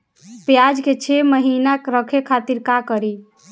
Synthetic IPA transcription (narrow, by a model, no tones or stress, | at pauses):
pjad͡ʒket͡ʃʰeməɦinakɾəkʰekʰat̪iɾkakəɾi